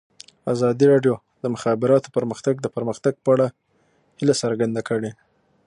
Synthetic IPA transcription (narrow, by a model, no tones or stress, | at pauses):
azɑd̪iɾɑɖjo | d̪̥əmʊxɑbɪɾɑt̪o̥pəɾməxt̪aɡ̚d̪əpəɾməxt̪aɡ̚pəaɽa | hɪlasəɾɡand̪akəɽe